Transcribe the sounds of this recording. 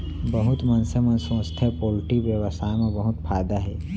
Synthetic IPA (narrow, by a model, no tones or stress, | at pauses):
bɐɦʊt̪mɐnsəmɐnsə̃st̪ʰepoːlʈibjəʋəsʰamebɐɦʊt̪pʰaːd̪aɦɛː